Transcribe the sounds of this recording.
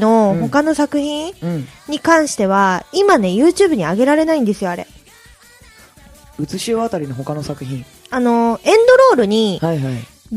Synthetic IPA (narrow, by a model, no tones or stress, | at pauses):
no̞ho̞kano̞sakɯ̟çĩnɲ̟ikãɰ̃ɕi̥t̪e̞β̞aimane̞jɯ̟ːt͡ɕɨːbɯ̟ɲ̟iaɡe̞ɾaɾe̞naĩnd̪e̞sɨjo̞aɾe̞̰ | ɯ̟t͡sɨɕio̞at̪aɾʲino̞ɦo̞kano̞sakɯ̟çĩŋ | ano̞ẽ̞nd̪o̞ɾo̞ːɾɯ̟ɲ̟ihaiɦai